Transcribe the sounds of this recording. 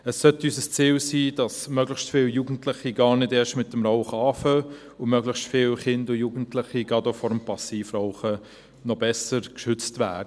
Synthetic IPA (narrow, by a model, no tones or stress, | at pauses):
əsːœtysəst͡siːlsiːd̥ɑsmœɡləχstfɪːljuːɡn̩tlɪχiɡɑːɾnɪdeːʃtmɪtəmɾɔʊχɑːfœ | ʊmœɡləχstfɪːlχɪndʊjuːɡən̩tləχiɡɑdofɔɾəmpɑsiːfɾɔʊχə | nɔbɛsəɾkʃʏt͡stʋæ̰ːdə